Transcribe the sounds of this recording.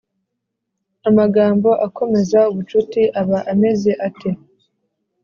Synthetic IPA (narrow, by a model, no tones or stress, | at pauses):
amaɡaːmbo̞ʔakʰo̞me̞zauβut͡ʃutiʔaβaʔame̞ze̞ʔatʰe̞